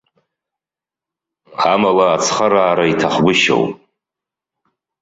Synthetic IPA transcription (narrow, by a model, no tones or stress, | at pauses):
amalaːt͡sʰχaɾaːɾaitʰaχɡʷʊʃo̰wpʼ